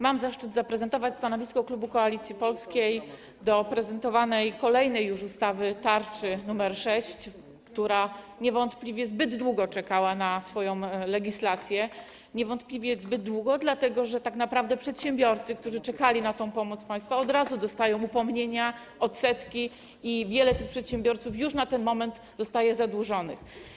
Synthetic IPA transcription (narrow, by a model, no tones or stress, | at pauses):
mamzaʂt͡ʂɘd̪zapɾɛzɛnt̪ɔvat͡ɕst̪anɔvʲiskɔklubukɔalʲit̪sʲjipɔlskʲej | d̪ɔpɾɛzɛnt̪ɔvanɛjkɔlɛjnɛjːuʂust̪avɘt̪aɾt͡ʂɘnumɛɾʂɛɕt͡ɕ | kt̪uɾa | ɲɛvɔnt̪plʲivʲjɛzbɘd̪ːwuɡɔt͡ʂɛkawanasfɔjɔ̃w̃lɛɡʲislat̪sʲjɛ | ɲɛvɔnt̪plʲivʲjɛzbɘd̪ːwuɡɔd̪lat̪ɛɡɔʐɛt̪aknapɾavd̪ɛpʂɛt̪ɕɛmbʲjɔɾt̪sɘkt̪uʐɘt͡ʂɛkalʲinat̪ɔ̃w̃pɔmɔt̪spaj̃st̪faɔd̪ɾazud̪ɔst̪ajɔ̃w̃upɔmɲeɲa | ɔt̪sɛt̪kʲi | ivʲjɛlɛt̪ɘxpʂɛt̪ɕɛmbʲjɔɾt̪sufjuʂnat̪ɛnmɔmɛnd̪ | zɔst̪ajɛzad̪wuʐɔnɘ̰x